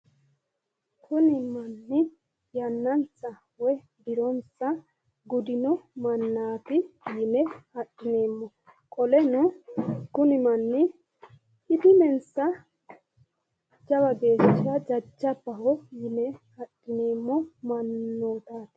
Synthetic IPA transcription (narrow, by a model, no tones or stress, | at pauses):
kʰʊnɪmɐnːɪ | jɐnːɐnt͡sːɐ | wɔ | bɪɾɔnsɐ | ɡʊd̪ɪnɔmɐnːaːfɪjɪnɛhɐɗɪne̞ːmːɔ | kʼɔlɛnɔkʊnɪmɐnːɪ | ʔɪd̪ɪmɛnsɐ | d͡ʒɐbɐbe̞ːt͡ʃːɐd͡ʒɐd͡ʒːɐbɐhɔjɪnɛhɐɗːɪneːmːɔmɐnːoːt̪aːt̪